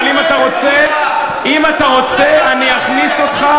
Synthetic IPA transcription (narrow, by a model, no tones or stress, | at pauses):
limat̪aʁo̞t͡se | imat̪aʁo̞t͡seaniaχniso̞t̪χa